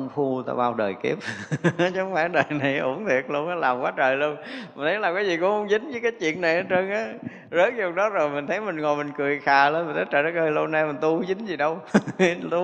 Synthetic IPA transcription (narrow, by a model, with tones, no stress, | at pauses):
ŋ͡mfu˧t̪a̰ː˧ɓaː˧wɗəː˨˩jki˦˥əp̚t͡ɕɔ˨˦ŋ͡mfaː˧˩ɗəː˨˩jna˨˩jʔṵ˧˩əŋnt̪ʰi˨˩ək̚lu˧ənʔaː˨˦laː˨˩mkwaː˨˦t͡ɕəː˨˩jlu˧ənmmi˨˩t̪ʰə˨˦jlaː˨˩kaː˨˦jzi˨˩kʊ˨˧˦hə˧˨˦wŋ͡mzï˨˦ŋ̟vəː˨˦jkaː˨˦jt͡ɕwḭ˧˨ənːa˨˩jʔəː˨˦t͡ɕə˧nʔaː˨˦ | zə˨˦˥t̚ɲ̚˨˩ɗɔ˨˦zo˨˩jmï˨˩ŋ̟t̪ʰə˨˦jmï˨˩ŋ̟ŋo˨˩jmï˨˩ŋ̟kɨ˨˩əjxaː˨˩ləː˧˩mi̟˨˩t̪ʰːt͡ɕəː˧˨˩zəː˨˧˦ɣəː˧˩jlo˧na˧mï̟˨˩t̪u˧zï˨˦ŋ̟zi˨˩ɗə˧wt̪u˧